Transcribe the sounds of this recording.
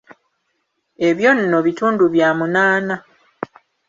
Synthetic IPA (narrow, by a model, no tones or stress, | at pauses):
e̞βjo̞nːo̞βituːnduβjaːmunaːna